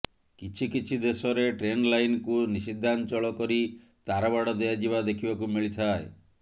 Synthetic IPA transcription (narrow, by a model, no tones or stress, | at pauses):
kit͡ʃʰikit͡ʃʰid̪esɔɾeʈɾenlajnkunisid̪ʱːant͡ʃɔɭɔkɔɾi | t̪aɾɔbaɽɔd̪ɔjad͡ʒiβad̪ekʰibakumiɭit̪ʰae